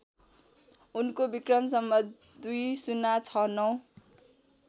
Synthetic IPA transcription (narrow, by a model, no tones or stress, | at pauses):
unkobikrʌmsʌmːʌ | d̪ujsunat͡sʰʌnʌw